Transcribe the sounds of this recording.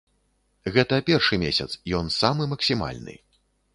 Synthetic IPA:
ɣɛt̪ɐpʲɛrʂɨmʲesʲɐt̪sjɔnsamɨmɐksʲima̰lʲnɨ̰

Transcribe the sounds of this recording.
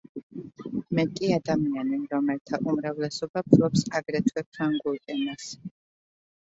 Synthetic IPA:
mɛkʼiad̪amianiɾɔmɛlt̪ʰaʔumɾavlɛsɔbapʰɾɔpsaɡɾɛt̪ʰwɛpʰaŋɡulkʼɛnas

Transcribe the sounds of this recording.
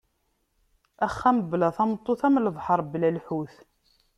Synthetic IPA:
æχːæməblæθɑmt̪ˤːoθæmləvħəɾˤblælħuθ

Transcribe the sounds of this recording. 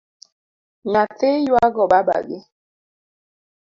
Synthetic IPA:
ɲatejwaɡɔbaba̰ɡe

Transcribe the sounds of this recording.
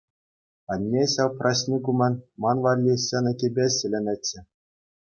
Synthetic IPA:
ɑnʲːeɕɑwprʔɑɕnʲikumʲɑ̆nʲmɑnʋɑlʲːiɕɤnɤ̆kʲebʲeɕɘ̆lʲɘ̆nʲɘt͡ɕʲːɘ̆

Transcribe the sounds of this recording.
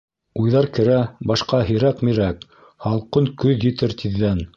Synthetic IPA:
ujðɑɾkɘ̆ɾæbɑʃqɑɦĭɾækmiɾæk | hɑlˠqɤŋkɵðjɘ̆t̪ɘɾt̪ʰiðːæn

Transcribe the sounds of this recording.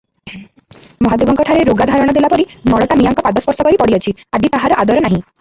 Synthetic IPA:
mɔɦad̪ebɔŋkɔʈʰaɾeɾoɡad̪ʱaɾɔɽ̃ɔd̪elapɔɾinɔɽɔʈamijaŋkɔpad̪ɔspɔɾsɔkɔɾipɔɽiɔt͡ʃʰiad͡ʒit̪aɦaɾɔʔad̪ɔɾɔnaɦĩ

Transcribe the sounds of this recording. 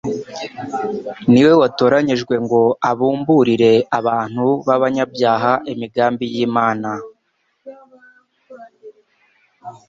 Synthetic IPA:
niwe̞wato̞ːɾaɲiʒɡwe̞ŋɡo̞aβuːmbuɾiɾe̞aβaːn̥huβaβaɲabjaːɦaʔemiɡaːmbijiːmaːna

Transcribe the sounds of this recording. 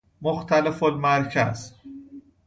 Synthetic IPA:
moxt̪ʰælefolmæɾcʰæ̰z̥

